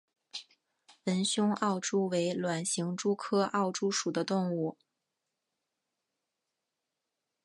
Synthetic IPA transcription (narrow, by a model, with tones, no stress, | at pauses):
wə˧˥nɕjʊ˥ŋɑ˥˩ʊʈ͡ʂu˥we˧˥ɪlwa˨˩nɕi˧˥ŋʈ͡ʂu˥kʰɤ˥ʔɑ˥˩ʊʈ͡ʂu˥ʂu˨˩d̪ə˦t̪ʊ˥˧ŋu˥˩